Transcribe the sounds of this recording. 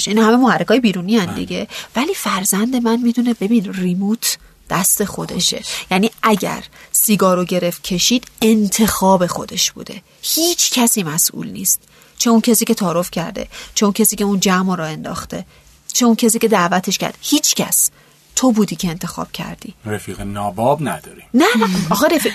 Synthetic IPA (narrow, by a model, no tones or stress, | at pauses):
ʃinɒhæmemohærekɒːjebiːɾunijænd̪ḭɟe̞væliːfæɾzænd̪e̞mænmit̪ʰune̞be̞biːnrimuːt̪ʰ | d̪̥æst̪e̞xo̞d̪e̞̰ʃe̞̰jæniːʔæɟæ̰ɾsiːɡɒːɾoɟe̞ɾeft̪̚cʲʰe̞ʃiːd̪̥e̞nt̪ʰe̞xɒːbe̞xo̞d̪e̞ʃb̥ṵːd̪̥e̞̰ | hiːt͡ʃʰcʰæsiːmæsʔṵːlnḭːst̪̚ | t͡ʃʰeuncʰesiːce̞t̪ʰɒːɾofcʰæ̰ɾd̪e̞̰t͡ʃʰeuncʰesiːcʰe̞und͡ʒæmoɾɒːe̞nd̪ɒ̰ːxt̪e̞̰ | t͡ʃʰe̞uncʰes̬iːcʲe̞d̪æʔvæt̪ʰe̞ʃcæ̰ɾd̪̥ehiːt͡ʃʰcʰæ̰s | t̪ʰo̞buːd̪iːcʰe̞ːnt̪ʰe̞xɒ̰ːb̥̚cʰæ̰ɾd̪̥ḭːɾefiːɣenɒːbɒbnæd̪ɒːɾinæɒːxeɾefi